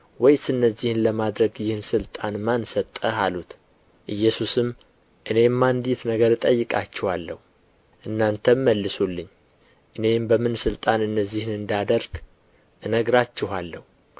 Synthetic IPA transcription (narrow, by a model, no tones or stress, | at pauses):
wɔjsɨnːəzːihnləmad̪ɾəɡjɪhnsɨlt̪ʼanmansət̪ʼːəhalut̪ | ʔɨjːɛsusɨm | ʔɨne̞mːand̪it̪nəɡəɾɨt̪ʼəjːɨkʼat͡ʃːɛhalːəhu | ʔɨnːant̪ʰəmməlːɨsulːɨɲː | ʔɨne̞mbəmɨnsɨlt̪ʼanɨnːəzːihnɨnd̪ad̪əɾɡ̥ | ʔɨnəɡɾat͡ʃːɪhalːəhu